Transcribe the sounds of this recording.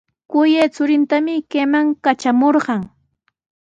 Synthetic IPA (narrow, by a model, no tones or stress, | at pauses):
kʊjet͡sʊɾɪnt̪amɪkemaŋkat͡ʃamoɾɢɑŋ